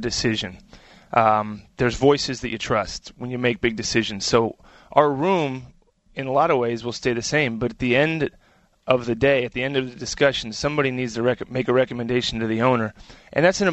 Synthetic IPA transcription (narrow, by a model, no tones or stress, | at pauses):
dɨsɪʒɨ̃n | ðə˞zvɔɪsɨzðɨt͡ʃɨtʰɹ̥ʌstwə̃njɨmeɪk̚b̥ɪɡ̚dɨsɪʒɨ̃n̩z̥soʊ | ʔaʊə˞ɹũm | ɨ̃nəlɑɾəvweɪzwəlˠsteɪðɨsẽɪ̃mbʌɾɨt̪̚ðiɛ̃nd | ʔʌvðɨdeɪɨt̪̚ðiɛ̃ndʌvðɨdɨskʌʃn̩sʌ̃mbɑɾinidz̥tʰɨɹɛkmeɪkɨɹɛkɨmɨ̃ndeɪʃn̩tʰɨðiõʊ̃nə˞ʔɨ̰̃nðætsɨ̃nɨ